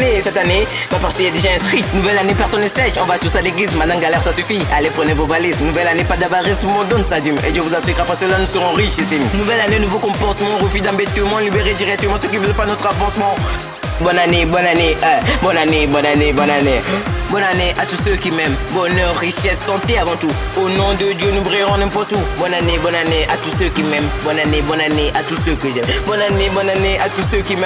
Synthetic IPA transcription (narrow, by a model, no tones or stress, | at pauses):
nesɛt̪ane | bapaʁskəjad̪eʒaɛ̃st̪χit̪nuvɛlanepɛʁsɔnləsɛʃɔ̃vat̪uʁsaleɡlizmɛ̃d̪nɑ̃ɡalɛʁsasyfialepχənevobalɛznuvɛlanepad̪abaʁismɔ̃d̪ɔ̃nsad̪imḛʒəvuzasiʁapɛ̃səlanusəʁɔ̃ʁiʃisimnuvɛlanenuvokɔ̃pɔʁt̪əmɑ̃ʁəfyd̪ɑ̃bet̪ømɑ̃libeʁed̪iʁɛk̚t̪əmɑ̃søk̬ivəlpanɔt̪χafɑ̃smɑ̃ | bɔnanebɔnaneɛbɔnanebɔnanebɔnanebɔnaneʔat̪usøkimɛmbɔnœʁʁiʃɛsːɑ̃t̪eavɑ̃t̪u | onɔ̃d̪əd̪jønubʁeʁɔ̃nɛ̃pɔʁt̪ubɔnanebɔnaneʔat̪usøkimɛmbɔnanebɔnaneʔat̪usøkəʒɛmbɔnanebɔnaneʔat̪usøkimɛ